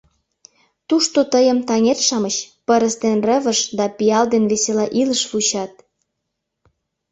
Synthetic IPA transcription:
t̪uʃt̪ot̪əjə̆mt̪ɑŋerʃɑmət͡ɕpəɾəst̪enrəβəʃd̪ɑpiɑld̪enβeselɑʔiləʃfut͡ɕɑt̪̚

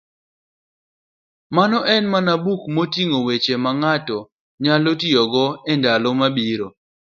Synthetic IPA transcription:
manɔʔɛnmanabukmotiŋowet͡ʃemaŋatɔ | ɲalotijɔɡɔɛndalɔmabiɾo

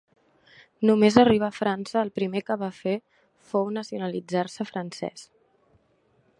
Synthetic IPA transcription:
numezəriβ̞əːfɾansəːlˠpɾimekəβafe | fownəsiunəlid͡zarsəfɾənsɛ̰s

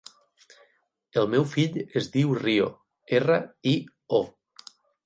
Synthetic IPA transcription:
əlˠmɛwfiʎezðiwrio̰ | erəi | o

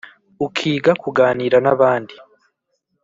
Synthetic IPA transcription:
ukʰiːɡakuɡaːniːɾanaβaːndi

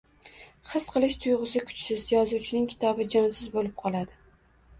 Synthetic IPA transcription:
χɨsqʰɨlˠɪʃt̪ʰʊjʁɨsɪkʰʊ̥t͡ʃsɪzjɒzut͡ʃʰɪnɪŋkʲʰɪ̥t̪ʰɒbɪd͡ʒɒnsɪzbolɪp̚qʰɒlˠad̪ɪ

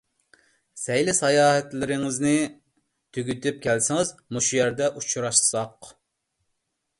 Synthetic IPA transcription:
sɛjlɪsɑjɑːhɛt̪lɪɾɪŋɪznɪ | t̪ʰyɡʲyt̪ʰyp̚kʲʰælsɪŋɨzmuʃujɛɾd̪ɛʔut͡ʃʰuɾɑʃsɑq

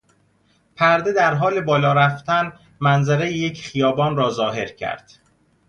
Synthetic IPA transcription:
pʰæɾd̪e̞d̪æɾɦɒːle̞bɒːlɒːɾæft̪ʰæn | mænzæɾejejecʰχijɒːbɒːnrɒːzɒːɦe̞ɾcʰæ̰ɾd̪̥

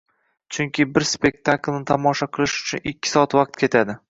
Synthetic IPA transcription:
t͡ʃʰʊŋkʲɪbɪɾspe̞k̚ʲt̪ʰaklnɪt̪ʰamɒʃɒqʰɨlˠɪʃʊ̥t͡ʃʰʊnɪkʲʰːɪ̥sɒːat̪vɑq̚t̪̚kʲe̞t̪ʰad̪ɪ

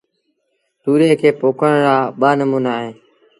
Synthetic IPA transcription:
t̪uːɾẽːkʰeːpoːkʰəɳɾaːɓaːnəmuːnaːɦẽː

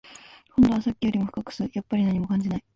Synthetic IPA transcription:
hõnd̪o̞βasakʲːijo̞ɾʲimoɸɯ̟kakɯ̟̥sɨjapːaɾʲinaɲ̟imo̞kãɲ̟d͡ʑinai

